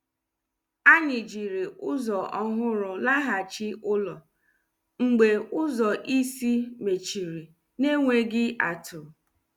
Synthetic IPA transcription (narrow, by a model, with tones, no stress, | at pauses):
a˦ɲɪ˨d͡ʒi˨ɾi˨ʊ˦zɔ˨ʔɔ˦ɦʊ˦ɾʊ˨la˦ɦa˨t͡ʃɪ˦ʊ˦lɔ˨ | ŋ͡m̩˨ɡ͡be˨ʊ˦zɔ˨ʔi˦si˦me˨t͡ʃi˨ɾi˨ | ne˦ŋʷe˦ɡɪ˦ʔa˨tʰʊ˨